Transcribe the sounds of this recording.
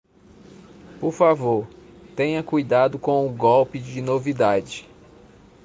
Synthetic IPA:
poɾfavoɾ | t̪ẽɲɐkujd̪ad̪ʊkõw̃ʊɡɔwpɪd͡ʒɪnovid̪ad͡ʒɪ

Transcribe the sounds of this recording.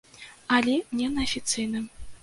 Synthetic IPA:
alʲɛnʲɛnɐɐfʲit̪sɨjnɨ

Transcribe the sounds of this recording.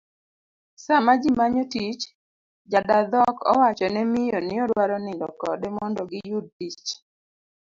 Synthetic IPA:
samad͡ʒimaɲɔtit͡ʃ | d͡ʒadad̪ɔkɔ̰wat͡ʃɔnɛmɪjɔnɪɔɾwaɾɔnɪndɔkɔ̰dɛmɔndɔɡɪjud̚tit͡ʃ

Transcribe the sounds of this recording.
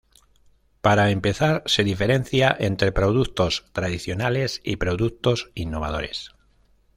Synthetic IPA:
paɾae̞mpe̞θaɾse̞ðife̞ɾe̞n̟θjaʔe̞nt̪ɾe̞pɾo̞ðukt̪o̞st̪ɾaðiθjo̞nale̞sḭpɾo̞ðuk̚t̪o̞sinːo̞β̞a̰ðo̞̰ɾe̞̰s

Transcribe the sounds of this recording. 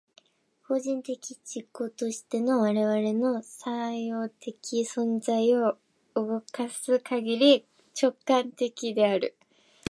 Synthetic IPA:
ko̞ʑĩnt̪e̞kʲid͡ʑikːo̞t̪o̞ɕi̥t̪e̞no̞βaɾe̞βaɾe̞no̞sajo̞ːt̪ʰe̞kʲisõ̞nzaio̞ | ɯɡo̞kasɨkʰaɡʲiɾʲi | t͡ɕo̞kːãnt̪e̞kʲid̪e̞aɾɯ̟

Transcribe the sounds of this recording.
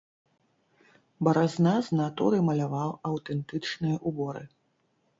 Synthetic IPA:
bɐɾaznaznat̪uɾɨmɐlʲavawɐwt̪ɛnt̪ɨt͡ʂnɨjɐʔubɔɾɨ̰

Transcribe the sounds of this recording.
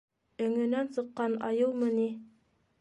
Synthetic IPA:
ɵ̆ŋɵ̆nænsɤ̆qːɑnɑ̰jɤlˠmɤni

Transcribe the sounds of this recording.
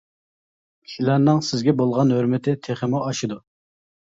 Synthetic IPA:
kʲʰi̥ʃilæɾnɨŋsɪzɡʲɛbolˠʁɑnɦøɾmɪt̪ʰɪt̪ʰeχɪmuʔɑʃɨd̪u

